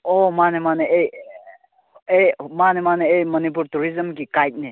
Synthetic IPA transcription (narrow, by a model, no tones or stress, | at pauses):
omanemaneej | ejmanemaneejmənip̬uɾtuɾizəmkikajt̚ne